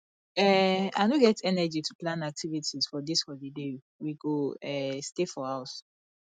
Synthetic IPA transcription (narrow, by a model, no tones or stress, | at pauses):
ɛa̰noɡɛtʰɛnɛd͡ʒitʰuplãnak̚tʰivitʰiz̥fɔdishɔlide | wiɡoɛstefɔhaʊs